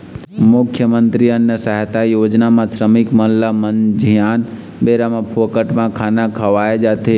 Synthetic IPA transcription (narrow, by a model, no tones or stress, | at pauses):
mʊkʰjəmənt̪ɾiənjəsaɦət̪ajoːd͡ʒnamãsɾəmɪkmənlamənd͡ʒʱijaːn | beɾamãpʰokəʈmãkʰaːnakʰɐʋaːed͡ʒaːt̪ʰe